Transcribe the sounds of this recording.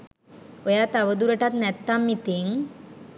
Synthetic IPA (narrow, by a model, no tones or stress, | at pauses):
ojat̪aʋəd̪uɾəʈat̪nɛt̪ːamːit̪iŋ